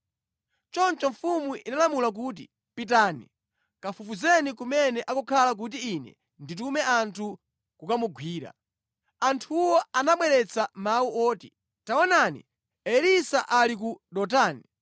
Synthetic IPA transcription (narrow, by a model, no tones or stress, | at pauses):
t͡ʃɔnt͡ʃɔɱfumuʔinalamulak̬uːt̬i | pit̬anḭ | kafufuzɛnikumɛnɛʔakukʰalak̬ut̬iːnɛ̰ | ndit̬umɛantʰu | kukamuɡʱwiːɾa̰ | antʰuwɔanaɓwɛɾɛt͡sʰamauʔɔːti | taɔnanḭ | ɛlisaʔalik̬uɗɔt̬aːni